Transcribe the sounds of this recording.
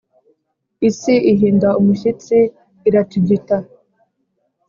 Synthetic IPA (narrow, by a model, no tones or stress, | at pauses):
isiʔiɦiːndaumuʃit͡siː | ɾatiɟita